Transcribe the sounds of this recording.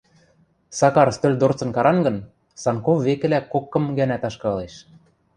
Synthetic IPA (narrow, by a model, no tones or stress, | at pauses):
sɑkɑɾst̪ølʲd̪ort͡sɤ̆nkɑɾɑnɡɤ̆n | sɑnkofːekɘ̆lækokːɤ̆mɡænæt̪ɑʃkɑleʃ